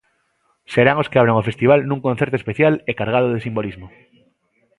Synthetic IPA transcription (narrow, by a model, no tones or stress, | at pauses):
seɾaŋoskeaβɾaŋofest̪iβ̞alnũŋkõn̟θeɾt̪oespeθjalekaɾɣ̞aðoðesimbolizmo